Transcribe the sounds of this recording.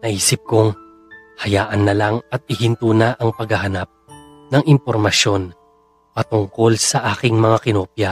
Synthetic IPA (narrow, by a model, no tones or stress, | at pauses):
nɐʔiːsɪp̚koŋ | hɐjaːʔɐnːɐlaŋɐt̪̚ɪhɪnt̪uːnɐʔɐŋpɐɡhɐɦɐnap̚ | nɐŋɪmpoɾmɐʃjo̞n | pɐt̪ʊŋko̞lsɐʔaːkɪŋmɐŋakɪnoːpja